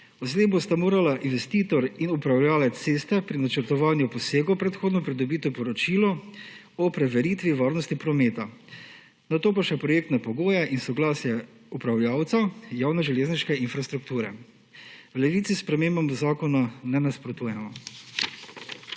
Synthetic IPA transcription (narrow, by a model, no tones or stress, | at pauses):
ɔzlebost̪amoːɾalaʔinʋɛst̪iːt̪ɔɾinupɾawljaːlat̪t̪seːst̪ɛpɾinat͡ʃəɾt̪ɔʋanjupɔseːɡɔpɾɛt̪xoːd̪nɔpɾid̪ɔbit̪ipɔɾɔt͡ʃiːlɔ | ɔpɾɛʋɛɾiːt̪ʋiʋaːɾnɔst̪ipɾɔmeːt̪a | nat̪oːpaʃɛpɾɔjeːkt̪napɔɡoːjaʔinsɔɡlaːsjɛ | upɾawljaːwt̪sajaːwnɛʒɛleːzniʃkɛinfɾast̪ɾukt̪uːɾɛ | wlɛʋiːt̪sispɾɛmembamuzaːkɔnanɛnaspɾɔt̪uːjɛmɔ